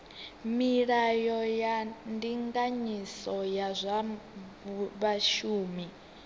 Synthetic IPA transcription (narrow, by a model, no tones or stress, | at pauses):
miɺajɔjandiŋɡaɲisɔjazʷa | βaʃuːmi